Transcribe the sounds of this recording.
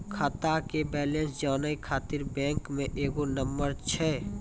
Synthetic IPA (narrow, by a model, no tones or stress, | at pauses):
kʰat̪akebɛːlẽnsd͡ʒaːnəikʰaːt̪ɪɾbɛ̃ːŋkmẽʔeːɡonəmbəɾt͡ʃʰɛː